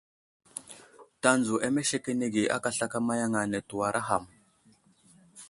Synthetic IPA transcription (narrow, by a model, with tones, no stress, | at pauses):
ta˦nd͡zu˨ʔa˦me˦ʃe˦ke˦ne˦ɡi˨ʔa̰˦ka˨ɬa˦ka˦ma˦ja˦ŋa˨ne˨tu˨wa˨ɾʔa˦ɦa˨m